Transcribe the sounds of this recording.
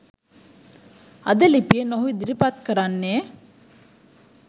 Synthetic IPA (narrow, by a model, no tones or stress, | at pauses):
ɐd̪əlipijenoɦuid̪iɾipat̪kəɾanːeː